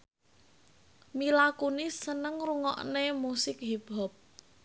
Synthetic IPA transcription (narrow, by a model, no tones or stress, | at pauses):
milakunisənəŋɾuŋɔ̰ʔnemusɪk̚ɦib̥ɔp̚